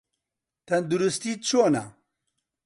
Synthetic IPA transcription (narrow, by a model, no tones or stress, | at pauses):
t̪ɐnd̪uɾust̪iːt͡ʃʰoːna̰